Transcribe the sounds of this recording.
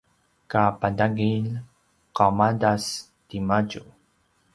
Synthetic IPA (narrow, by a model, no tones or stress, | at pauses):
kapadaɡil | qamadas | timaɟu